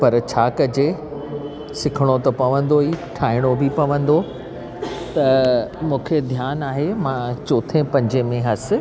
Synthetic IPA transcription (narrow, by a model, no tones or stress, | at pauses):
pɐɾt͡ɕʰaːkɐd͡ʑe | sɪkʰəɽ̃ot̪ɐpɐʋə̃nd̪oiʈʰaːɪɽ̃obʱɪpɐʋə̃nd̪o | t̪ɐmũːkʰed̪ʱjaːnaːɦemãt͡ɕoːt̪ʰẽpɐ̃ɲd͡ʑemẽɦɐsɪ̆